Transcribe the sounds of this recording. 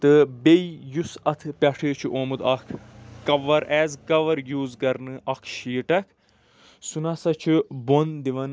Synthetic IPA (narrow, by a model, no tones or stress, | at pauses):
t̪ɨbeijusɐt̪ʰɨpʲɐʈʰeːt͡ʃʰiʔoːmɨd̪ɐkʰːɐʋɐɾʔɛːzkɐʋɐɾjuːzkɐɾnɨʔɐkʰʃiːʈɐkʰ | sunɐsɐt͡ʃʰubond̪iʋɐn